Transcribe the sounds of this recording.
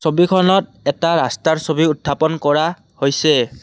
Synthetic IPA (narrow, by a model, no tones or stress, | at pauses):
sobikʰɔnɔt̚ | ɛtaɹastaɹsobiutʰːapɔnkɔɹa | hojsɛ